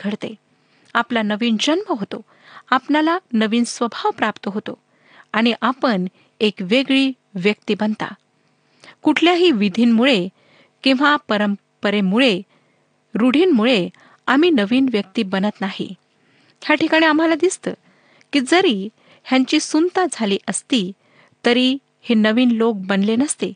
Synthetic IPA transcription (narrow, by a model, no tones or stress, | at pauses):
ɡʱəɾt̪e | aplanəʋiːnd͡ʑənməɦot̪o | apnalanəʋiːnsʋəbʱaʋpɾapt̪əɦot̪o | aɽ̃iʔapəɳ | ekʋeɡɭiː | ʋjəkt̪ibənt̪a̰ | kuʈʰljaɦiːʋid̪ʱiːnmuɭe | kĩw̃ʋapəɾəm | pəɾemuɭe | ɾuɽ̤iːnmuɭe | amiːnəʋiːnʋjək̚t̪iːbənət̪nahḭ | hjaʈʰikaɽ̃iam̤alad̪ist̪əː | kiːd͡zəɾi | hjãɲt͡ɕiːsunt̪ad͡zʱaliːʔəst̪i | t̪əɾi | henəʋiːnlok̚bənlenəst̪e